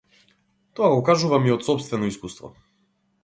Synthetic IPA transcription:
t̪ɔaɡɔukaʒuvamiɔt̪sɔpst̪vɛnɔiskust̪vɔ̰

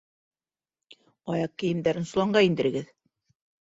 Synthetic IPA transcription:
ɑjɑq̚kɘ̆jɘ̆md̪æɾɘnsulˠɑɴɢɑind̪ɘ̆ɾɘ̆ɡɘð

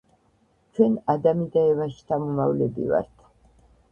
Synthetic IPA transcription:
t͡ʃʰwɛnad̪amid̪aɛvaʃi̥t̪ʰamɔmavlɛbḭva̰ɾt̪ʰ

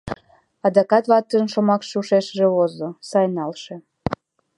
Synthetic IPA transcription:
ɑd̪ɑkɑt̪βɑt̪ːənʃomɑkʃuʃeʃəʒeβozosɑjnɑlʃe

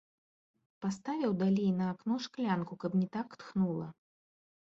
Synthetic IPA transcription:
past̪avʲiwd̪alʲijnɐːknɔʂklʲankukɐpnʲit̪akt̪xnulˠɐ

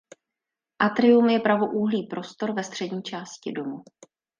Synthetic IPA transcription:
ʔat̪ɾɪumjɛpɾavoʔuɦliːpɾo̞st̪o̞ɾvɛst̪r̝̥ɛdɲiːt͡ʃaːscɪdo̞mu

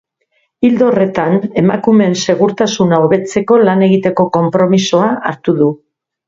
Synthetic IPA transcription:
ild̪ore̞t̪ane̞makume̞nse̞ɣ̞uɾt̪asunaoβe̞t͡se̞ko̞lane̞ɣit̪e̞ko̞ko̞mpɾo̞misoaʔaɾt̪uðu

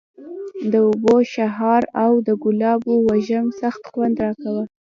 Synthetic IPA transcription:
d̪əʊboʃaɦɑɾawd̪əɡʊlɑbowaʒəmsaxt̪xwand̪ɾɑkawə

